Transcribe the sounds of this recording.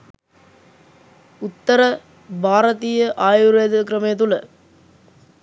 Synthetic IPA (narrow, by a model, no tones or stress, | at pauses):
ut̪ːɐɾɐ | bʱaːɾɐt̪iːjɐʔaːjuɾeːd̪ɐkɾɐmɐjɐt̪̬ulɐ